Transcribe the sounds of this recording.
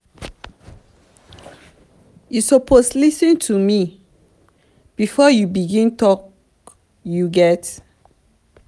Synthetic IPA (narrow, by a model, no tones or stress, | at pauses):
jusɔpʰoslisə̃ntʰumi | b̥ifɔjubiɡĩntɔk | juɡɛt